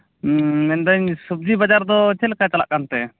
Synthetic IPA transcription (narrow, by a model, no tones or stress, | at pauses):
mɛnd̪aɲsub̚d͡ʒibad͡ʒaɾd̪ɔt͡ʃɛlkat͡ʃala̰ʔkant̪ɛ